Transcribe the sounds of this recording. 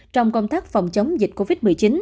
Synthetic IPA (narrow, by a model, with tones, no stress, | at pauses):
t͡ɕɔ˧wŋ͡mkə˧wŋ͡mt̪aː˦˥k̚fɔ˨˩wŋ͡mt͡ɕə˨˦wŋ͡mmzḭ˨˩k̟̚ko˧vi˦˥t̚mɨ˨˩əjt͡ɕi˨˦n